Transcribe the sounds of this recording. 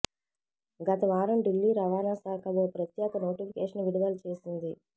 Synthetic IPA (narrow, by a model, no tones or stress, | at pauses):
ɡɐt̪ɐʋaːɾɐmɖilːiɾɐʋaːnaːsaːkɐboːpɾɐt̪jɛːɡɐnoːʈipʰikeːʂɐnʋiɽiʋɐlt͡ʃe̞ːsind̪i